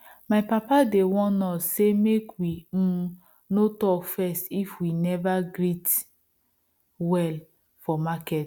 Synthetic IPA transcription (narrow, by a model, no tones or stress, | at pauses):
maɪpapadewɔ̃nɔsemekwi | notɔkfɛstifwinɛvaɡɾit | wɛl | fɔmakɛt